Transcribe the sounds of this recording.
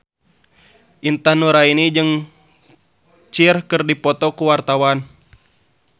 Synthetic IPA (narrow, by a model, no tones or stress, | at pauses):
ʔint̪anuɾainid͡ʒɨŋ | t͡ʃirkɨrdipɔt̪ɔkuwart̪awan